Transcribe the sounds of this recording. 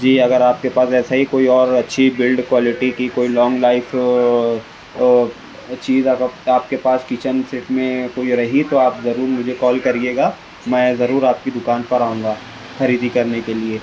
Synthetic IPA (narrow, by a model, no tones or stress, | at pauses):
d͡ʒiːɐɡəɾaːp̚kepaːsɛːsaɦikoːiɔːɾɐtːʃʰibɪlɖkwɔːlɪʈikikoːilɔːŋɡlaːɪfʰ | t͡ʃiːzaaːp̚kepaːskiːt͡ʃənsɪʈmẽkoːiɾɐɦit̪oaːpzɐɾuːɾmʊd͡ʒʱekɔːlkɐɾieːɡaː | mɛ̃ːzɐɾuːɾaːp̚kid̪ʊkaːnpɐɾaːũːŋ̆ɡaː | xɐɾiːd̪ikɐɾnekelieː